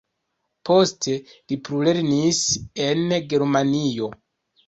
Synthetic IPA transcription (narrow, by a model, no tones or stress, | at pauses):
pʰo̞ste̞lipɾuleɾnise̞nɡe̞ɾmanijo̞